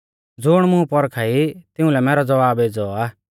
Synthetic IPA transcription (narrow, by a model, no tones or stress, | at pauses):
d͡zʊɽ̃mʊ̃pɔɾkʰaːit̪ɪ̃ũlɛmɛːɾɔd͡zɐʋaːbeːd͡zɔaː